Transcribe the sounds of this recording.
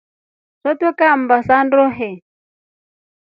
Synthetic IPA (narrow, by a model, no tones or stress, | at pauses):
sɔt̪ɔkam̩basandɔɦɛ